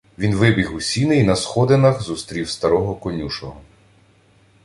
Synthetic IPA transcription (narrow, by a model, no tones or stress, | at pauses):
ʋʲinʋɪbʲiɣusʲinɪinɐsxɔd̪enɐxzust̪ɾʲiwst̪ɐɾɔɦɔkɔnʲuʃɔɦɔ